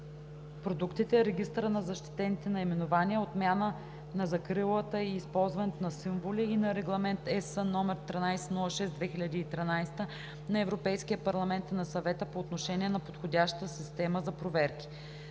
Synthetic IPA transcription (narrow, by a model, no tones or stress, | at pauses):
pɾod̪ukt̪it̪ɛɛɾɛɡ̟ist̪ɾənɐzɐʃt̪i̥t̪ɛnit̪ɛnɐimɛnovaniəot̪mʲjanə | nɐzɐkɾilˠət̪əiːspɔlˠzvɐnɛt̪onɐsiɱvolʲiːnɐɾɛɡlˠɐmɛnt̪ɛsənɔmɛɾt̪ɾinajsɛnulˠɐʃɛsd̪vɛxilʲɐd̪iːt̪ɾinajst̪ə | nɐɛvɾopɛjskijəpɐɾlˠɐmɛnt̪inɐsɐvɛt̪əpoːt̪noʃɛniɛnɐpot̪xod̪ʲaʃt̪t̪əsist̪ɛməzɐpɾovɛɾki̥